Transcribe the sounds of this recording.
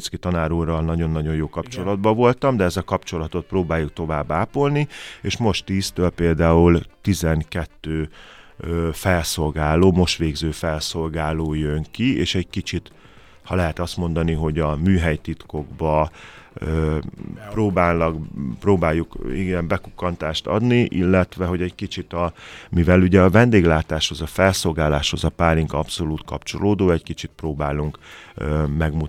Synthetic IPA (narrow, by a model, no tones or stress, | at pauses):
skit̪ɒnaːɾuːrːɒlnɒɟo̞nːɒɟo̞joːkɒpt͡ʃo̞lɒd̪bɒvo̞lt̪ɒmd̪ɛɛzɒkɒpt͡ʃo̞lɒt̪o̞t̪̚proːbaːjːuk̚t̪o̞vaːbːaːpolnieːʃmo̞ʃt̪t̪iːst̪øːlpeːld̪aːult̪izɛŋkɛt̪ːøː | fɛlso̞lɡaːloːmo̞ʃtʋeːɡzøːfɛlso̞lɡaːloːjøŋkiḛːʃɛɟkit͡ʃit̪ | hɒlɛɦɛt̪ɒst̪mo̞nd̪ɒniɦo̞ɟɒmyːɦɛjt̪it̪ko̞ɡbɒ | proːbaːlnɒɡproːbaːjːukiɡɛmbɛkukːɒnt̪aːʃt̪ɒ̰d̪niʔilːɛt̪ʋɛɦo̞ɟɛɟkit͡ʃit̪ɒmivɛluɟɛɒvɛnd̪eːɡlaːt̪aːʃho̞zɒfɛlso̞lɡaːlaːʃho̞zɒpaːliŋkɒpso̞luːt̪kɒpt͡ʃo̞̰loːd̪oːɛɟkit͡ʃit̪̚proːbaːluŋkømɛɡmu